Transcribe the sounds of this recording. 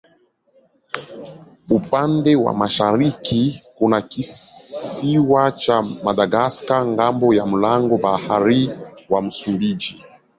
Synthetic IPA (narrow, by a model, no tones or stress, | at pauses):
upandɛwa̰maʃaɾikʰikunaki | iwat͡ʃamadaɡaskaŋɡambɔjam̩laŋɡɔbahaɾiwam̩sumbid͡ʒi